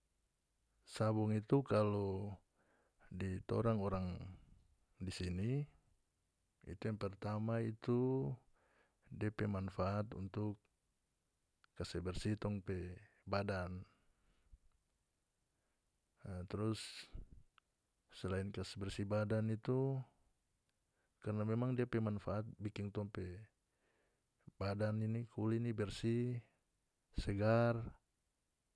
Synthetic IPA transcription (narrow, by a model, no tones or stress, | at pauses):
sabuŋit̪ukalɔ | dit̪ɔ̰ɾaŋɔɾaŋ | disini | ḭt̪ujaŋpɛrt̪amait̪u | dɛpɛmanfaːt̪ṵnt̪uk | asɛbɛrsit̪ɔŋpɛ | badan | t̪ɾus | ɛlainkasɛbɛrsibadanit̪u | karnamɛmaŋdiapɛmanfaʔat̪̚bikiŋt̪ɔŋpɛ | badaninikʰulinibɛrsi | sɛɡar